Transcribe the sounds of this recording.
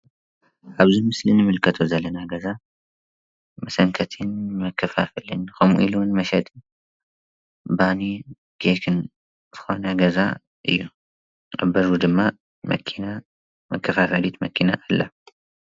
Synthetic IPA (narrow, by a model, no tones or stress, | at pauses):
ʔaβzimɨslinɨmɨlkʰɐt̪ʰozɐlːɐnaɡɐza | mɐsɐŋkʰɐt̪ʰɨnmɐkʰːɐfafɨlɨnkɐmṵʔilunmɐʃɐt̪ʼɨn | bani | ɡ̥ekʰɨn | z̥ɨ̥xo̞naɡɐza̰ | ʔɨ̰jːu | ʔɐ̰bɐɾud̪ɨmːa | mɐ̰kʰina | mɐkʰːɐfafɐlit̪mɐkʰinaʔːlːɐ